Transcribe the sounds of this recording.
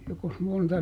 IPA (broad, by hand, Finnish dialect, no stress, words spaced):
jokos montɑ